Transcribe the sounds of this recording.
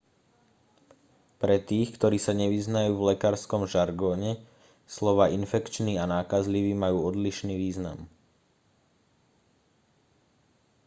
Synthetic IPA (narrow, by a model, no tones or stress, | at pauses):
pɾɛt̪iːxkt̪ɔɾiːsaɲɛʋiznajuːvlɛkaɾskɔmʒaɾɡɔːɲɛ | slɔʋaːinfɛkt͡ʃniːanaːkazliʋiːmajuːɔd̪liʃniːʋiːzna̰m